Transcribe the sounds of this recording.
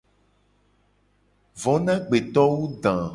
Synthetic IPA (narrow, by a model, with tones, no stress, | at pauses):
vɔ˨nã˦ɡ͡be˨t̪ɔ˦wu˦d̪ã˨